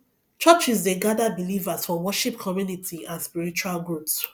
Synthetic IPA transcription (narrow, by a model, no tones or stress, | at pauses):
t͡ʃɔt͡ʃisdeɡadabilivasfɔ̃wɔʃipkʰɔmjunitʰiãnspiɹit͡ʃualɡɹups